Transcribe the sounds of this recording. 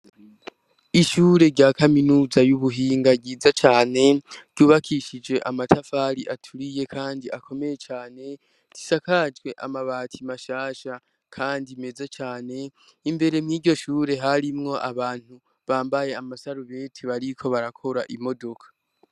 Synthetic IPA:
iʃuːɾe̞ɾɟaːkaminuːzajuβuɦiːŋɡaɟiːzat͡ʃaːne̞ɾ̥ɟ̥uːβakʰiʃid͡ʒwe̞ʔamatʰafaːɾiʔatʰuɾije̞kʰaːndiʔakʰo̞me̞je̞t͡ʃaːne̞ | ti̥sakad͡ʒɡwe̞ʔa̰maβaːtʰimaʃaːʃa | kʰaːndime̞zat͡ʃaːne̞ | imbe̞ɾe̞mŋiːɟo̞ʃuːɾe̞ɦaɾimŋo̞ʔaβaːn̥hu | βaːmbaje̞amasaɾuβe̞ːtʰiβaɾikʰo̞βaɾakʰo̞ɾaʔimo̞do̞kʰḁ

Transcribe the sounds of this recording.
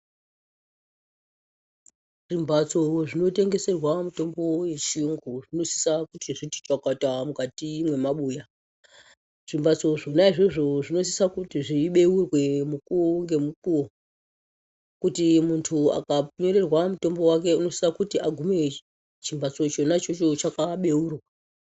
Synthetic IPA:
ʐ̥imbʱat͡soʐino̞te̞ŋɡe̞se̞rwamuto̞mbo̞je̞t͡ʃiuŋɡuʐino̞si̥sakutiʐiti̥t͡ʃakatamukatimwe̞maɓuːja | ʐ̥imbat͡so̞ʐonaiʐeʐo̞ʐino̞s̬i̥sakutiʐiɓe̞urwe̞mukuoŋɡe̞muk̚uwo | kutimuntʰua̰kaɲoɾe̞rwamuto̞mbo̞wak̬e̞uno̞si̥sakutiʔaɡʱume̞ | t͡ʃimbat͡so̞t͡ʃo̞nat͡ʃo̞t͡ʃo̞t͡ʃakaɓe̞uːrwa

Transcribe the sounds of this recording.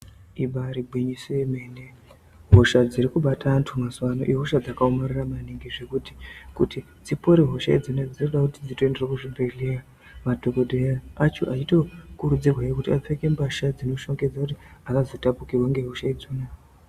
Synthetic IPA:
iɓaɾibʱwiɲisoemene | ɦoʃad͡ziɾikuɓatantʰumasuwano̰ʔiɦoʃad͡zakaomariramaniŋɡiʐe̞kuti̥kutʰi | d͡zipo̞ɾeɦo̞ʃa̰id͡zonad͡zinoɗakutid͡zito̞e̞nde̞rokuʐibʱe̞ɮeja | matokoɗejaːt͡ʃo̰ʔaito̞kuɾud͡zirwaekutiap͡feke̞mbaʃad͡zino̞ʃo̞ŋɡe̞d͡zakutiakazotapukirwaŋɡe̞ɦoʃaid͡zuːna

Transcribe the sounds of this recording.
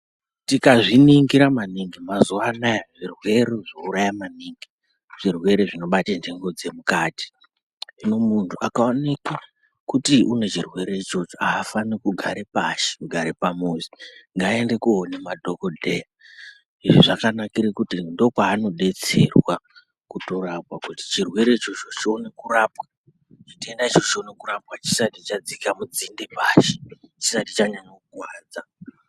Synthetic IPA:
tikaʐiniŋɡiɾamaniŋɡimazuanajaʐirwe̞ɾeʐouɾajamaniːŋɡi | ʐ̥irwe̞ɾe̞ʐino̞ɓatendeŋɡo̞d͡ze̞mukaːti̥ | ʐino̞muntʰuʔakaoneka | kutiʔune̞t͡ʃirwe̞ɾe̞it͡ʃo̞t͡ʃoaːfanikuɡʱaɾepaʃe̥kuɡʱaɾepamuziŋɡaende̞kuɦonemadʱokodʱeja | iʐiʐakanakiɾikutindo̞kaːno̞ɗe̞t͡se̞rwa | kuto̞ɾapwakuti̥t͡ʃirwe̞ɾe̞it͡ʃo̞t͡ʃo̞t͡ʃio̞ne̞kurapwa | t͡ʃitie̞ndait͡ʃo̞t͡ʃio̞ne̞kuɾap̚wat͡ʃi̥satit͡ʃad͡zikamud͡zindepaːʃi̥t͡ʃisatit͡ʃaɲanokukwaːd͡za

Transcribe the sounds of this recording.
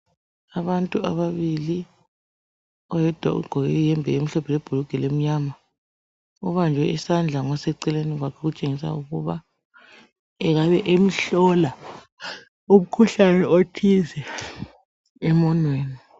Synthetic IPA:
aβantʼuaβaβili | ɔjɛd̥ʱwa̰ʔṵɡ͡ǃʱɔɣɛjɛmbʱɛem̩ɬɔpʰɛleb̥ʱuluɡ̥ʱɛlem̩ɲama | ɔβand͡ʒʱɛisand͡ɮʱaŋɔsɛǀɛleniɣwakʰɛɣut͡ʃʼeŋisa̰uɣuβa | ɛɣaβɛʔem̩ɬɔla | um̩kʰuɬanɛotʰizɛ | ɛmɔnweːni

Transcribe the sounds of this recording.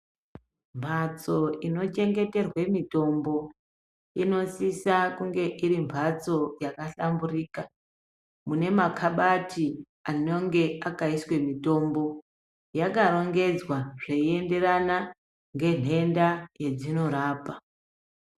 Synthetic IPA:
mbʱat͡so̞ino̞t͡ʃe̞ŋɡe̞te̞rwe̞mito̞mbo̞ | ino̞sisakuŋɡe̞ʔiɾimbʱat͡so̞jakaɬamburiːka | mune̞makʰaɓati | ano̞ŋɡe̞akaiswe̞mito̞mbo̞ | jakaɾo̞ŋɡe̞d͡zwaʐe̞ie̞nde̞ɾana | ŋɡe̞n̤e̞ndaje̞d͡zino̞ɾaːpa

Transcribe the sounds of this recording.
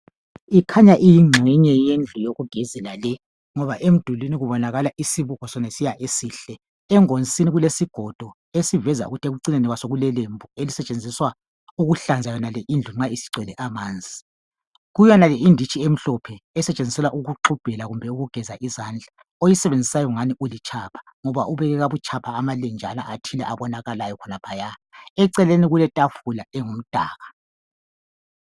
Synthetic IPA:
ikʰaɲaʔijiŋ͡ǁʱiɲɛjend͡ɮʱujoɣuɡ̥ʱizɛlalɛ | ŋɔβaʔem̩d̥ʱuliniɣuβɔnaɣalaʔisiβuɣɔsɔnesijaʔesiːɬɛ | ɛŋont͡sʼiniɣulesiɡ̥ʱɔd̥ʱɔ | esivɛza̰ṵɣutʰeɣuǀinenɛɣwasoɣulɛlembʱuelisɛt͡ʃʼend͡zʱiswa | uɣuɬand͡zʱajɔnalɛʔind͡ɮʱuŋ͡ǁaisi̥ǀwɛlɛʔamaːnd͡zʱi | ɣujɔnalɛindʱit͡ʃʰʼiem̩ɬɔpʰɛɛsɛt͡ʃʼend͡zisɛlaʔuɣuǁub̥ʱɛlaɣumbʱɛuɣuɡ̥ʱɛzaʔizaːnd͡ɮʱa | ojisɛβend͡zʱisajɔŋaniʔulit͡ʃʰapʰḁ | ŋɔβaʔuβɛɣɛɣaβut͡ʃʰʼapʰaːmalend͡ʒʱalaʔatʰilɛ̰ʔaβɔnaɣalajɔkʰɔnapʰajaɛǀɛleniɣulɛtʼafulaɛŋum̩tʼaːɣa

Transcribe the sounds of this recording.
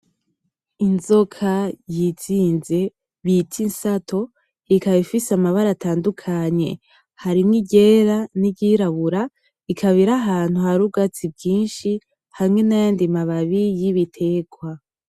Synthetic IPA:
inzo̞kʰajit͡siːnze̞ | βitʰinsatʰo̞ | ikaβifisamaβaɾataːndukʰaɲe̞̰ | haɾimŋiɟe̞ɾaniɟiɾaβuɾa | ikʰaβiɾaɦaːn̥huhaɾuɡat͡sibɟiːnʃi | hamŋe̞najaːndimaβaβijiβitʰe̞ɡwa

